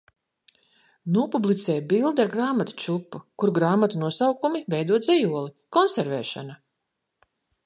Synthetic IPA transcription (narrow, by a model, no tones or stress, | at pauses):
nuɔpublˠit̪sɛːjbilˠd̪aɾɡɾaːmat̪ḁt͡ʃupːukuɾɡɾaːmat̪unuɔsawkumivɛjd̪uɔt̪zʲɛjuɔlˠi | kɔnseɾvɛːʃa̰na